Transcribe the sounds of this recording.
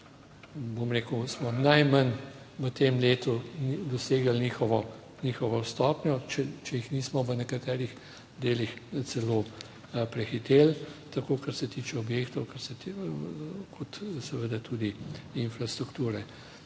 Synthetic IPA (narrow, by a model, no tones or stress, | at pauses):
bomɾekəwsmɔnajman | ʋət̪emleːt̪ud̪ɔseːɡalnixɔʋɔ | nixɔʋɔst̪ɔːpnʲɔt͡ʃɛt͡ʃɛjixniːsmɔʋənɛkat̪ɛːɾix | d̪eːlixt̪t͡s̪ɛlo | pɾɛxit̪eːlt̪akoːkaɾsɛt̪iːt͡ʃɛɔbjeːkt̪ɔʊwkaɾsɛt̪ | kʰɔt̪sɛʋəd̪at̪ud̪iinfɾast̪ɾukt̪uːɾɛ